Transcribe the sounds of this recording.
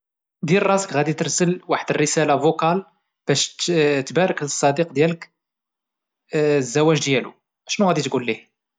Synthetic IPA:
d̪ilrˤɑsə̥kɣæd̪it̪əɾsəlwaħəd̪ərːəsælavukɑl | b̥æʃt̪bæɾəkləsˤːɑd̪iqd̪jælək | zːæwæʒd̪jælṵ | ʔʃnuɣæd̪it̪ɡulːih

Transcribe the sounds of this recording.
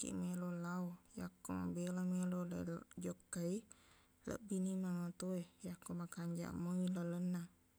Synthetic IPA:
kḭʔmelolawja̰kːoma̰belamelolə̰l̰d͡ʒokːai | lə̰ʔbinimaŋət̪uejakːomakaɲd͡ʒa̰ʔməilalənːa

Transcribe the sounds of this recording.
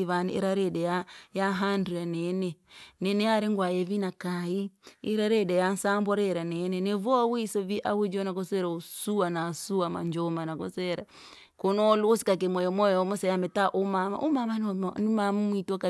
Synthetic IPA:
βaniḭɾaɾɛɗɛjajaɦanduanɛnɛnɛnɛjaɾɛŋɡwajɛvinakaiiɾaɾɛɗɛjansambɔɾɛɾanɛnɛnɛvɔwisɔviʔawud͡ʒɔnakɔsɛɾausuanasuwama̰ɲd͡ʒɔmanakɔ̰sɛɾa | kɔnɔluːsi̥kak̬ɛmwɔjɔmɔjɔmɔsɛjamɛtaʔumama̰ʔumamannumamamwitaka

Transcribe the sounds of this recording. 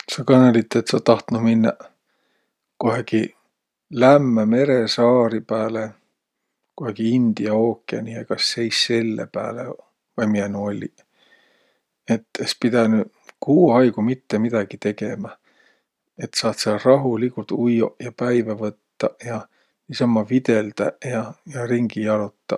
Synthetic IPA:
sɑkɑnelʲit̪ːˑet̪sɑt̪ɑht̪numinːɑ̰ | koɦeɡi | læmːæme̞ɾe̞sɑːɾipæːle | koɦeɡ̥iind̪̥iɑoːkːˑiɑ̰nʲiekɑsːe̞jsːe̞lːḛpæːlḛ | vɑjmienuolʲi | et̪ːˑespid̪̥æny | kuːɑjɡumit̪ːemid̪̥ɑɡ̥it̪e̞ɡe̞mæ | e̞t̪sɑːt̪sɑrɑɦulikult̪ujojɑpæjvævɤt̪ːɑjɑ | ɑsɑmːɑvid̪̥eld̪̥ɑjɑjɑriŋɡ̥ijɑlut̪ːɑ

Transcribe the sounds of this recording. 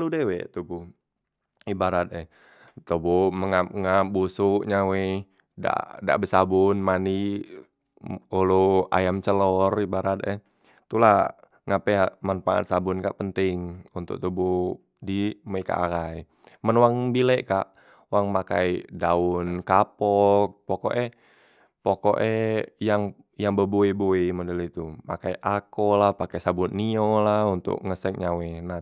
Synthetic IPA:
aludɛwɛ̰t̪ubu | ibaɾat̪̚ɛ | t̪obuməŋaŋabusuʔɲawe | da̰da̰ʔbəsabʊnmani | oloa̰jamt͡ʃəlɔribaɾat̪̚ɛ | t̪ula | ŋapɛamanfaʔa̰t̪̚sabʊnkaʔpənt̪ɪŋunt̪ʊ̰k̚t̪ubu | dimoika̰ʔa̰ɾaj | mənwaŋbilɛʔkaʔ | waŋmakaidaʊnkapɔk̚poko̰ʔɛ | poko̰ʔɛjaŋ | jaŋbəboiboimodəlit̪uma̰kajʔakɔlahpakɛsabʊnːiɔlaunt̪ʊ̰k̚ŋəsɛk̚ɲawɛna

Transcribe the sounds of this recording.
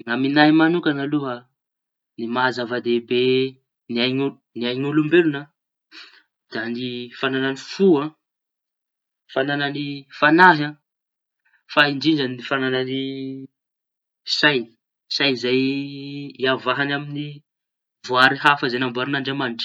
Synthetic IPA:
ŋaminaimanukanaluɦə | nimazavad̪ebe | niaɲu | niajɲulumbelunə | d̪̥anifanananifuã | fanananifanaɦã | faiɳd͡ʒiɳɖ͡ʐanifananani | sajni̥ | sajizaj | iavaɦanamini | vuaɾiɦafazanambuaɾinaɳɖ͡ʐamaniʈ͡ʂi̥

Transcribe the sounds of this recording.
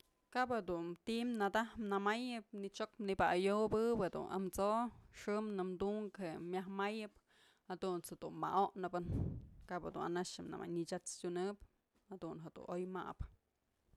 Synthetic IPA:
kaped̪unt̪imnad̪ahmnamajɨpnit͡ʃokmnibaajobɨped̪ṵna̰mt͡soʂɨmnɨmd̪uŋkhemjahmajɨp | had̪unt͡shed̪̥unma̰ʔoʔnɨbɨnkaped̪una̰naʂɨmna̰ma̰jnit͡ʃat͡stʲunɨp | had̪unɦed̪ṵnojma̰p

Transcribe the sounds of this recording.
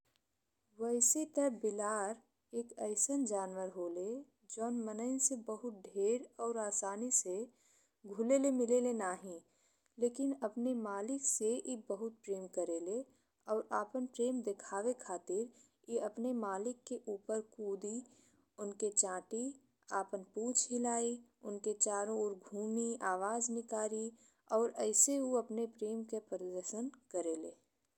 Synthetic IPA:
ʋəɪset̪əbɪlaːɾ | eːkəɪsənd͡ʒaːnʋəɾɦoːle | d͡ʒɔːnmənəɪsebəɦʊt̪̚ɖʱeːɾɔːɾaːsaːnise | ɡʱʊlelemɪlelenaːɦĩ | leːkɪnɐpnemaːlɪksejebəɦʊt̪̚pɾeːmkəɾele | ɔːɾaːpənpɾeːmd̪ekʰaːʋekʰaːt̪ɪɾ | jeɐpnemaːlɪkːeʔuːpəɾkuːd̪i | ʊnket͡ʃãːʈi | a̰ːpənpũːt͡ʃʰɦɪlaːiʊnket͡ʃaːɾõʊɾɡʱuːmiaːʋaːznɪkaːɾi | ɔːɾɛɪseɦuɐpnepɾeːmkepəɾəd̪əɾʃənkəɾeːleː

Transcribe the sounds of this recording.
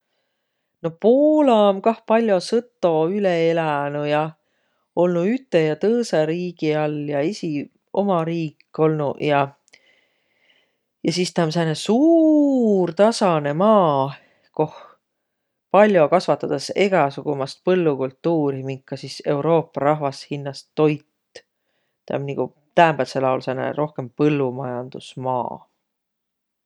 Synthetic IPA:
no̞poːlɑmkɑhpɑlʲjo̞sɤt̪ˑːo̞yleelænujɑ | o̞lnuyt̪ˑːejɑt̪ɤːsɑɾiːɡ̥iɑljɑesʲi | o̞̰mɑɾiːkːˑo̞lnujɑ | jɑsist̪ɑms̬enesuːrt̪ɑsɑne̞mɑː | ko̞h | pɑlʲjo̞kɑsvɑt̪ːˑɑd̪̥ɑse̞ɡ̥ɑsuɡ̥umɑst̪̚pɤlːukult̪ːuːɾimiŋkːɑsise̞wɾo̞ːpːˑɑɾɑɦvɑshinːɑst̪ːo̞jt̪ː | t̪æ̰mniɡ̥u | t̪æːmbelselɑwlsenḛɾo̞hke̞mpɤlːumɑjɑnd̪̥usmɑ̰ː

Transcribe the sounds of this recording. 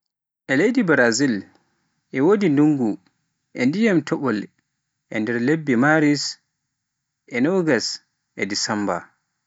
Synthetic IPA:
ʔɛlejdibɾazil | ʔɛwodinduŋɡu | ʔɛndijamtʰɔɓɔl | ʔɛ̰ndɛɾlebːimaɾis | ʔɛnɔɡas | ʔɛdisamba̰

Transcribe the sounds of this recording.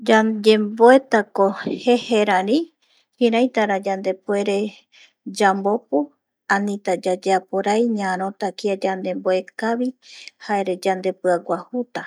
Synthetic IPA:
d͡ʒad͡ʒemboet̪akoheheɾãɾĩ | hiɾãjt̪aɾad͡ʒand̪e̞pe̞ɾe̞ | d͡ʒambopu | anĩt̪ad͡ʒad͡ʒeapoɾajɲãɾõt̪akiad͡ʒand̪e̞mboekaβihaeɾe̞d͡ʒand̪e̞pɨaɡʷahut̪a

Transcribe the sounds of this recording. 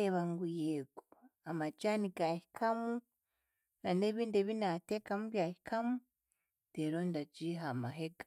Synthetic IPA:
eβaŋɡujeɡoamad͡ʒaːniɡahikʰamu | nane̞ːβiːndeːβinateːkamuβjaːhi̥kʰamu | deɾondad͡ʒiɦamaɦeɡḁ

